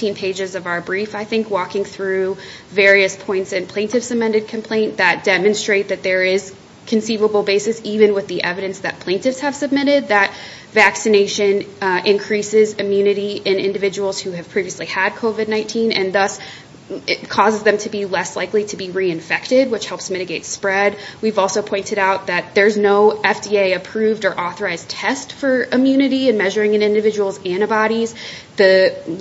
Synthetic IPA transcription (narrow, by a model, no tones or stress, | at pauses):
tĩnpʰeɪd͡ʒɨzʌvaʊə˞bɹifaɪθɪ̃ŋkwɔkɪ̃ŋθɹʉvɛɹiɨspʰɔ̃ɪ̃ntsɨ̃npʰl̥ẽɪ̃ntɨfsɨmɛ̃ndɨd̚kʰɨ̃m̩pʰl̥ẽɪ̃nðɨt̚d̥ɛmɨ̃nstɹ̥eɪt̪̚ðɨt̪̚ðə˞ɪz̥ | kʰɨ̃n̩sivəbl̩ˠbeɪsɨsivɨ̃nwɨðiʔɛvɨɾɨ̃nsðɨ̰t̚pʰl̥ẽɪ̃ntɨfshɨv̥sɨb̚mɪɾɪd̪̚ðɨt̚ | væksɨneɪʃɨ̃nʔɪ̃nkʰɹ̥isɪzɨmjʉnɨɾiʔɪ̃nɪ̰̃ndɨvɪd͡ʒəwl̩ˠz̥hʉɨv̥pʰɹ̥iviɨsliəd̚kʰoʊvɨdⁿnãɪ̃ntʰĩnɨ̰̃nðʌs | ɪkʰɔzɨzðɨ̃mtʰɨbilɛslaɪkliɾɨbiɹiɨ̃ɱfɛk̚tɪd̚wət͡ʃhɛlˠpsmɪɾɨɡeɪtspɹɛd̚wivɔlˠsoʊpʰɔ̃ɪ̃ntɨɾaʊt̪̚ðɨt̪̚ðə˞znoʊɛfd̥ieɪɨpʰɹ̥ʉvdə˞ʔɔθə˞aɪztʰɛstfə˞ɨmjʉnɨɾiɨ̃nmɛʒə˞ɪ̃ŋɨ̃nɪ̃ndɨvɪd͡ʒəwl̩ˠzæ̃ñɨbɑɾiz | ðɨ